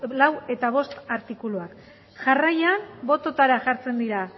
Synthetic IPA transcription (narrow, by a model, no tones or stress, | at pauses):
lawe̞t̪aβ̞o̞st̪aɾt̪ikuluak | ʝarajanbo̞t̪o̞t̪aɾaʝaɾt͡se̞nd̪iɾa